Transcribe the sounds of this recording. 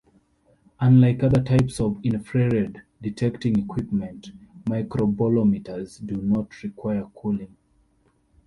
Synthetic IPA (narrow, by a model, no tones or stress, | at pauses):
ãnlaɪkʌðətʰaɪpsɔvĩnfɹɛɹɛd | ditʰɛktĩŋikʰwipmɛ̃ntmaɪkɹobalɔmitʰəzdunɔtʰɹikʰw̥aɪəkʰulĩŋ